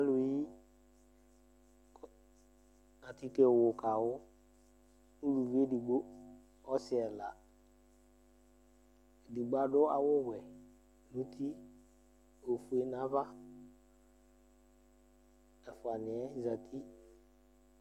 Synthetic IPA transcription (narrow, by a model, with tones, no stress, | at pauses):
a˦lʊ˨ji˦˨ | a˨ti˦ke˨wʊ˨ka˨wʊ˦ | u˦lu˨ve˦di˨ɡ͡bo˦ | ɔ˦sɪ˨ɛ˨la˨ | di˨ɡ͡ba˨dʊ˦a˨wʊ˦ɡʷɛ˨ | nũ˦tʰi˦ | o˨fu˨e˦nã˦va˦ | ɛ˨fa˨nɪ˨ɛ˦za˨tʰi˦